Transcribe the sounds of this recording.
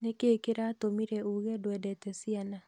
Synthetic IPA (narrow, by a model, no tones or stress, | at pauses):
nekeːkeɾatomiɾɛuɣɛdwɛdɛtɛsiana